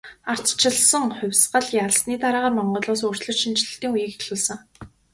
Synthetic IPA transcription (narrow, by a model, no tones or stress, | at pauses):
ar̥t͡s̪t͡ɕʰɪ̆ɮsə̆ŋχʊ̟wʲsɢə̆ɮjaɮsniːt̪aɾaːʁaːrmɔɴɢʊːɮoːsʊr̥t͡ɕɮɵ̆t͡ɕʃint͡ɕɮɘ̆ɬt̪iːŋujiːkexɮuːɮsə̆ŋ